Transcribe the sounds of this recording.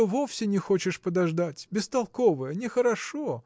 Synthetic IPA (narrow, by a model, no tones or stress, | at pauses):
ovofsʲɪnʲɪxo̞t͡ɕɪʂpəd̪ɐʐd̪atʲbʲɪst̪ɐlˠko̞vəjənʲɪxəɾɐʂo